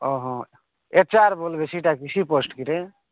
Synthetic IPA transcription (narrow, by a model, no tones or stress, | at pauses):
ɔɦɔ̃ | et͡ʃaɾbolbesʰiʈakisipɔsʈkiɾe